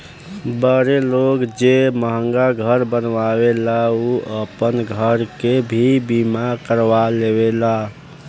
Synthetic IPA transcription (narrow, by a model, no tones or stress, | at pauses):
bəɾelokd͡ʒeməɦəŋɡaɡʱəɾbənʋawelauəpənɡʱəɾkebʱibimakəɾʋaleβela